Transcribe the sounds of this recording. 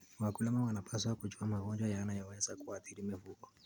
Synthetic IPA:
wakulɛmawanapʰaswakut͡ʃuamaɣɔnd͡ʒwajanajɔwɛzakuaθiɾimifuɡɔ

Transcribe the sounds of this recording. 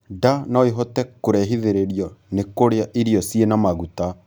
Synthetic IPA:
danɔeɦɔtɛkoɾɛɦiðeɾeɾijɔnekoɾeaʔiɾjɔsienamaɣuta

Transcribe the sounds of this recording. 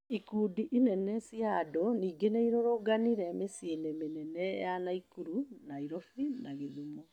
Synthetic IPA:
ikuːdiʔinɛnɛsiadɔniːɡeneiɾɔɾoɡaniɾɛmesienɛmenɛnɛjanaikuɾunaiɾɔfinaɣeðumɔ

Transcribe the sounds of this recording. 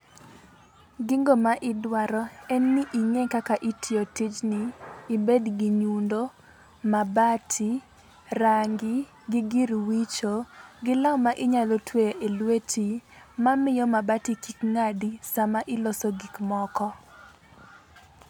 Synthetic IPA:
ɡiŋɡomaʔɪdwaɾɔɛnːɪʔiŋekakaʔitʰiotit͡ʃnɪːbedɡiɲundo | mabatʰi | raŋɡɪ | ɡɪɡiɾwit͡ʃoɡɪlamaʔɪɲalotweʔelwetʰimamɪjɔmabatikikŋadisamaʔɪlɔsoɡikmɔkɔ

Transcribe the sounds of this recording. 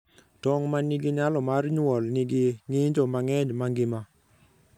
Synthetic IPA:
tɔŋmaniɡiɲalɔmarɲwɔlniɡɪŋɪɲd͡ʒɔmaŋɛɲmaŋɡɪma

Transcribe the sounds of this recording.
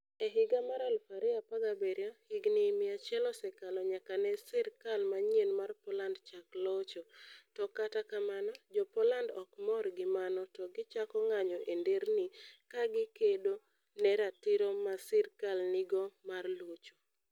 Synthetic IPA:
eɦɪɡamaɾalfaɾɪapaɡabeɾɔhɪɡnɪmɪat͡ʃɛlɔsɛkalɔɲakanɛsɛɾkalmaɲenmarpɔlandt͡ʃaklɔt͡ʃɔtɔkatakamanɔd͡ʒɔpɔlandɔkmɔrɡɪmanɔtɔɡɪt͡ʃakɔŋaɲɔʔendeɾnɪkaɡɪkedo | nɛɾatɪɾomasɛɾkalnɪɡɔmarlut͡ʃo

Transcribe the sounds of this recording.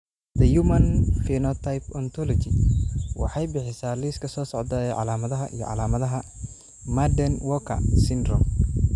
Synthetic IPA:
d̪ɐjumɐnfinɔt̪ʰajpɔnt̪ʰɔlɔt͡ʃɪwɑ̰ħɑjbɪħɪsaːliːskʰɐsɔːsɔʕd̪ɐɛʕɑ̰laːmɐðɐɦɐʔḭjɔ̰ʕɑ̰laːmɐðɐɦɐ | mad̪ɛnwɔkʰɐ̰sɪnd̪rɔ̰m

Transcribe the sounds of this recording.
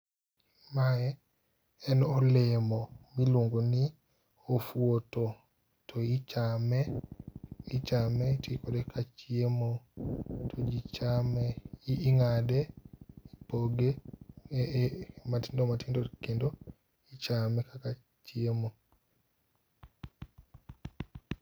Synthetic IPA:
maɛ | ɛnɔlɪmɔmiloŋɡonɪ | ofwoto | tʰɔit͡ʃamɛ | it͡ʃamɛtikodɛkʰat͡ʃiemo | tɔd͡ʒit͡ʃamɛːŋadɛipoɡe | mati̥ndomatindokendo | it͡ʃamɛkaka | t͡ʃiemo

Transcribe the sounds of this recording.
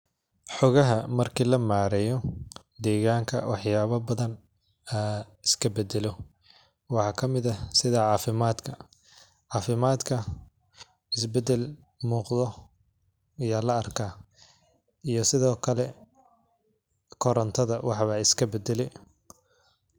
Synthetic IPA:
ħɔɣɐɦɐmɐrkʰiːlɐmaːɾɛjɔ | d̪ɛːɣaːŋkʰɐ̰wɑħjaːβɐbɐðɐn | aː | ɪskʰɐbɛd̪ɛlɔ | wɑħɑːkʰɐmɪðɐsɪðaʕɑːfɪmaːd̪kʰɐ | ʕɑːfɪmaːd̪kʰɐ | ɪsbɛd̪ɛl | muːqðɔ | ɪjaːlɐːrkʰaː | ijɔsɪðɔːkʰɐlɛ | kʰɔɾɐnt̪ʰɐðɐwɑħβɐɪskʰɐbɛd̪ɛlɛj

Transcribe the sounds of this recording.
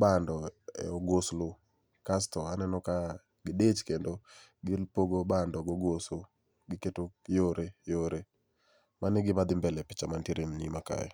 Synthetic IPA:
bandɔɛ̰oɡoslʊ | kastɔanɛnɔka | ɡɪdet͡ʃkendo | ɡɪlpoɡobandɔɡoɡosʊ | ɡɪketokjoɾejoɾe | manɪɡɪbad̪ɪmbɛlɛpɪ̥t͡ʃamantiɾemnimaka̰jɛ̰

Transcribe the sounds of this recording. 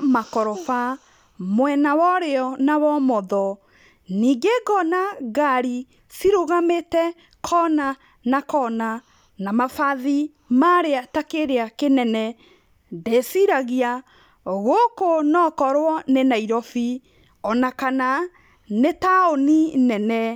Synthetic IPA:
makɔɾɔfa | mwɛnawɔɾeɔnawɔmɔðɔ | niːɡeɡɔnaɡaɾi | siɾoɣametɛ | kʰɔna | nakɔna | namafaði | maɾeatakeɾeakenɛnɛ | desiɾaɣia | oɣokonɔkɔɾwɔnenaiɾɔfi | ɔnakana | netaoninɛnɛ

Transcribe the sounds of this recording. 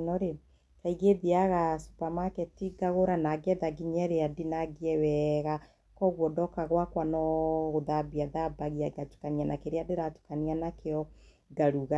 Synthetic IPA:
nɔɾe | kaiɣeðiaɣasu̥pamakɛtiɡaɣoɾanaɡɛðaɡiɲɛɾeadinaɡiɛwɛɣa | kɔɣwɔdɔkaɣwakwanɔɣoðabiaðabaɣiaɡatu̥kanianakeɾeadeɾatu̥kanianakeɔ | ɡaɾuɣa

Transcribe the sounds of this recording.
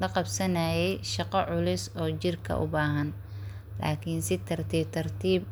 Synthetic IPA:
lɐqɑbsɐnaːjɛjʃɑqɔʕʊlʊsɔːt͡ʃɪrkʰɐ̰ʔʊ̰baːɦɐn | la̰ːkʰɪnsɪt̪ʰɐrt̪ʰiːt̪ʰɐrt̪ʰiːb

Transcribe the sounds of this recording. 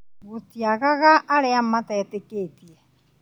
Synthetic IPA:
ɣotiaɣaɣaʔːɾeamatɛːteketiɛ

